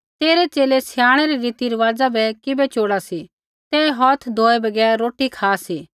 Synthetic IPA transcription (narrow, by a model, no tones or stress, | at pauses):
t̪eːɾet͡ʃeːlesɪjaːɽ̃ɛɾeɾiːt̪iɾɐʋaːd͡zabɛkɪbɛt͡ʃoːɽasi | t̪ɛːɦɔːt̪ʰd̪ʱoːebɐɡɛːɾːoːʈikʰaːsiː